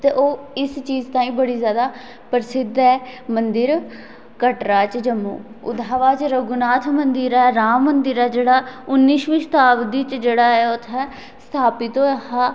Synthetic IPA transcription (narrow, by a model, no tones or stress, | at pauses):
t̪eːʔoːɪst͡ʃiːzt̪ãːĩːbəɽiːzjaːd̪aː | pəɾɪsɪd̪ɛːmənd̪ɪɾ | kəʈɾaːt͡ʃd͡ʒəmːṵː | ʊ̰d̪ʱaːʋaːt͡ʃɾəɡʊnaːt̪ʰmənd̪ɪɾɛːɛːɾaːmːənd̪ɪɾɛːd͡ʒeːɽaːʊnːiːʃʋĩːst̪aːʋd̪iːt͡ʃd͡ʒeːɽaːɛːʊt̪ʰɛː | st̪ʰaːpɪt̪oːɦaː